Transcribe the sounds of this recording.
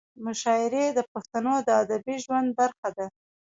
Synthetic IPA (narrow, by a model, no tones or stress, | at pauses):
mʊʃɑɪɾed̪əpaxt̪anod̪əad̪abiʒwand̪̚baɾxad̪a